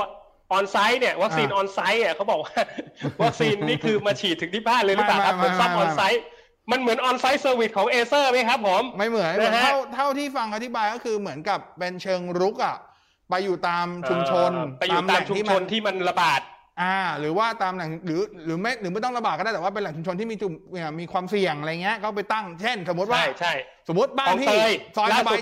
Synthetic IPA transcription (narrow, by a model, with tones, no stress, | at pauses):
ʔɔː˧nsa˦˥jni˥˩ɐwa˦˥kiː˧nʔɔː˧nsa˦˥jni˥˩ɐkʰa˦˥wbɔː˨˩k̚waː˥˩wa˦˥k̚siː˧nːiː˥˩kʰɯː˧maː˧˩t͡ɕʰiː˨˩t̪ʰːɯ˩˦ŋt̪ʰiː˥˩baː˥˩nlɤː˧jllaː˨˩a˥kʰa˦m˩˥˦sa˧˩ŋʔɔː˧a˦˥j | ma˧nmɯ˨˩˦ənʔɔː˧nsa˦˥jsɤː˧wi˨˩t̪̚kʰɔː˨˩˦ŋʔeː˧sɤː˥˩ma˥˩kʰa˦˥pʰːo˨˩˦mma˥˩jmɯ˩˦ənna˦˧˥kʰa˦a˥˩wt̪ʰa˥˩wt̪ʰiː˥˩fa˧ŋʔa˧t̪ʰi˦˥baː˧jkɔ˥˩kʰɯː˧mɯ˩˦ənka˨˩pːe˧nt͡ɕʰɤː˧ŋɾu˦˥k̚ʔa˨˩ʔ | pa˧jːuː˨˩t̪aː˧mt͡ɕʰu˧mt͡ɕʰo˧na˧j̪aː˨˧˨maːa˨˧˨ŋt͡ɕʰu˧iː˥˩ao˧nt̪ʰiː˥˩ma˧nɾa˧baː˨˩t̪̚ | ʔaː˧ɾɯː˩˦waː˥˩t̪aː˧mna˨˩ŋɾɯː˩˦ɾɯː˩˦ma˥˩jɾɯː˩˦ma˥˩jt̪ɔ˥˩˧la˧baː˨˩kːa˥˩t̪ɛ˨˩waː˥˩pe˧nla˨˩˦ŋt͡ɕu˧mt͡ɕʰo˧nt̪ʰiː˥˩miː˧t͡ɕu˨˩ma˨˩miː˧kʰwaː˧msi˨˩əŋʔa˧ɾja˨˩ŋːi˦˥ɐkʰa˥˩wpa˧jt̪a˥˩ŋt͡ɕʰe˥˩nso˩˦mː˦u˦˥wa˥˩t͡ɕʰa˥˩j | so˩˦mːu˦˥t̪̚baː˥˨˩t̪iː˥˩əː˧jsɔː˧˥lːa˩˧baː˨˧